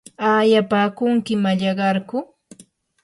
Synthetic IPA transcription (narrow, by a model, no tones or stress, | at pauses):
aːjapaːkʊŋkɪmaʎɑɢɑɾkʊ